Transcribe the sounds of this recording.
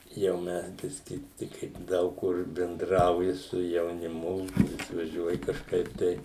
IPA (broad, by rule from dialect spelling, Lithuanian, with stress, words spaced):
jɛʊ ˈmʲɛs ˈbʲɪsʲkʲɪ ˈtʲɪk kɐɪ ˈdɐʊk kʊr bʲɛnˈdrɐʊjɪ sʊ jɛʊnʲɪˈmʊ ɪʃʋɐˈʒʲuɔjɪ kɐʃˈkɐɪp tɐɪ